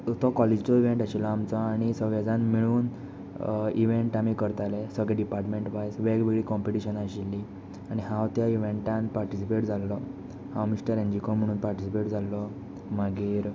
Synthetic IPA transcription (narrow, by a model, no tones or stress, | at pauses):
t̪ɔkɔled͡ʑt͡ɕɔiʋeɳʈaɕilɔamt͡sɔaɽ̃isəɡɭad͡zãnmiɭuːn | iʋeɳʈamikəɾt̪alɛsəɡɭɛɖipaɾʈmẽɳʈʋajsʋeɡʋeɡɭikɔmpiʈiɕənaɕilːi | aɽ̃iɦãwt̪jaiʋeɳʈãnpaɾʈisipeʈd͡zʱalːɔ | hãwmiɕʈəɾẽɲd͡ʑikom̤əɽ̃uːnpaɾʈisipeʈd͡zalːɔ | maɡiːɾ